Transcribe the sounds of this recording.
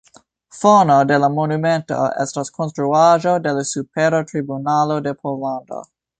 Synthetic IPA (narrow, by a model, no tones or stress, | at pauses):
fonode̞lamonume̞nto̞̰ḛstaskʰonstɾuaʒo̞de̞lasupeɾatɾibunalo̞de̞pʰolando̞̰